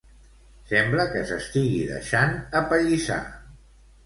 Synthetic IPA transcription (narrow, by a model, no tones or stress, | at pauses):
sɛmbləkəsəst̪iɣiðə̰ʃanəpəʎisa̰